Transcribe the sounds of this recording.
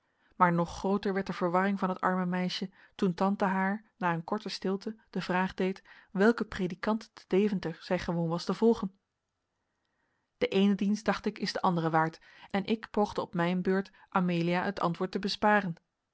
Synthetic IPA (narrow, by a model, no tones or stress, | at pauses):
maːɹnɔχːrowtəɹʋɛɹtdəv̥əɹʋɑrɪŋvɑnɦətɑ̰ɹməmɛjʃə | tuntɑntaɦaːɹnaːənkɔɹtəstɪlˠtəd̥əvraːχdejtʋɛlˠkəprejdikɑntdəd̥ejvəntəɹz̥ɛjχəʋownʋɑstəvɔlˠχən | d̥əʔejnədinstd̥ɑχtɪkɪzdəʔɑndərəʋaːɹt | ʔɛnʔɪkpowχdəɔpmɛjnbøːɹt | ʔameːliaətʰɑ̰ntʋʊːɹtəbəspaːrən